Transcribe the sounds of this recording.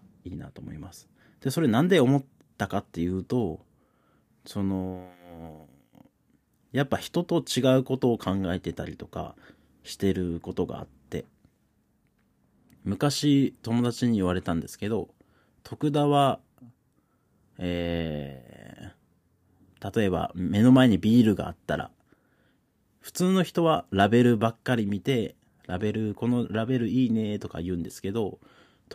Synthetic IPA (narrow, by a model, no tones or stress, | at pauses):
iːna̰t̪o̞mo̞̰imasɨ̥ | d̪̥e̞so̞ɾe̞nãnd̪e̞o̞mo̞t̪ːakat̪ːe̞jɯ̟ːt̪o̞ | so̞no̞ | japːaçi̥t̪o̞t̪o̞t͡ɕiɡaɯ̟ko̞t̪o̞ːkʰãŋɡaet̪e̞t̪aɾʲit̪o̞ka̰ | ɕi̥t̪e̞ɾɯ̟ko̞t̪o̞ɡa̰ːt̪ːe̞̰ | mɯ̟kaɕit̪o̞mo̞d̪at͡ɕiɲ̟iːβaɾe̞t̪ãnd̪e̞sɨ̥ke̞d̪o̞ | t̪ʰo̞kɯ̟d̪aβa | eː | t̪at̪o̞e̞ba̰me̞no̞mae̞ɲ̟ibʲiːɾɯ̟ɡa̰ːt̪ːaɾa̰ | ɸɯ̟̥t͡sɨːno̞çi̥t̪o̞β̞aɾabe̞ɾɯ̟bakːaɾʲimʲit̪e̞ | ɾabe̞ɾɯ̟ko̞no̞ɾabe̞ɾɯ̟iːne̞t̪o̞ka̰iɯ̟ːnd̪e̞sɨ̥ke̞d̪o̞ | t̪